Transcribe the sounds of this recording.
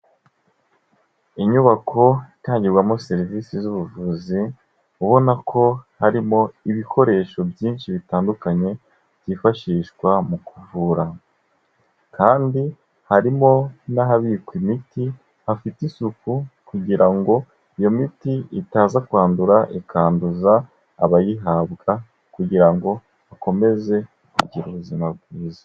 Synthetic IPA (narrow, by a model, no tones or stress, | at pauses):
iɲuβakʰo̞itaːɲɟiɾɡwamose̞ɾiviːsizuβuvuzi | uβo̞nakʰo̞haɾimo̞iβikʰo̞ɾe̞ːʃo̞bjiːnʃiβitaːndukaɲe̞ | bjiːfaʃiːʃɡwamukuvuːɾa | kʰaːndi | haɾimo̞naɦaβiːkwimiti | hafitisukukuɡiɾaŋɡo̞ | ijo̞mitiitaːzakuaːnduɾaʔekʰaːnduzaː | βajiɦaːbɡa | kuɡiɾaŋɡo̞ | ako̞me̞ze̞ | kuɟiɾuβuzimabɡiːza